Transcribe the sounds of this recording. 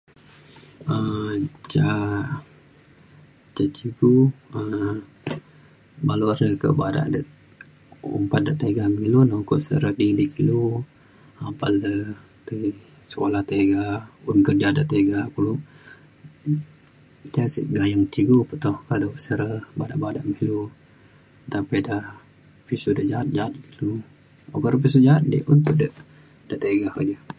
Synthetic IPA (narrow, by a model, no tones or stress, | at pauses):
ət͡ʃa | t͡ʃat͡ʃiɡuə | baluaɾəkə̰ʔbaɾa̰ʔdəʔ | ṵmpat̪̚dəʔt̪əɡamilunauko̰ʔsə̰ɾədilikilu | apalə | t̪ə | sə̥kolaht̪eɡaunkərd͡ʒadəʔt̪eɡakulu | t̪asḭʔɡajaŋt̪iɡupət̪ɔhkadosəɾəbadaʔbadaʔmilu | t̪apida | pisudəʔd͡ʒaɦat̪̚d͡ʒaɦat̪̚dkilu | ukɔʔɾəp̬is̬ud͡ʒaɦat̪̚dḭʔunt̪uʔdəʔ | dəʔt̪eɡakəd͡ʒə